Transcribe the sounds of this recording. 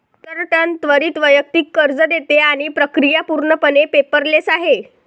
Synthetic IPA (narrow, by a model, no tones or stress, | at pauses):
t̪əɾʈənt̪ʋəɾiːt̪ʋəjək̚t̪iːkːəɾd͡zəd̪et̪eaɽ̃ipɾəkɾijapuɾɳəpənepepəɾlesaɦe